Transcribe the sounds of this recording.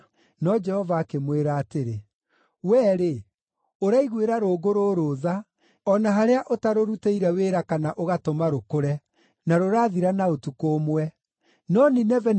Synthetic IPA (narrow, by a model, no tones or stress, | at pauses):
nɔd͡ʒɛhɔvaːkemweɾaːteɾe | wɛːɾe | oɾaiɣweɾaɾoːɡoɾoɾoða | ɔnaɦaɾeaʔotaɾoɾuteiɾɛweːɾakanaʔoɣatomaɾokoɾɛ | naɾoɾaːðiɾanaotukoːmwɛ | nɔninɛvɛn